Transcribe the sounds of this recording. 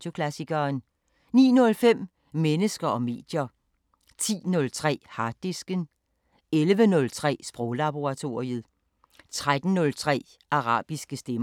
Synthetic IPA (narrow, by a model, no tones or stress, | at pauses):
o̝kʰlæsiɡ̥ɐːn | nḭːnɔ̽lfem̰ | menəsɡ̥ɐʔɒ̽me̝̰ːd̥jɐ | t͡sʰḭːnɔ̽lt͡sʰʁɛ̰ːhɑ̈d̥isɡ̥ən | elʋənɔ̽lt͡sʰʁɛ̰ːsb̥ʁɔʊlæb̥o̝ʁɑ̈t͡sʰo̝ːiəð̩ˠ | t͡sʰʁad̥n̩nɔ̽lt͡sʰʁɛ̰ː | ʔɑ̈ʁɑ̰̈ːb̥isɡ̥əsd̥em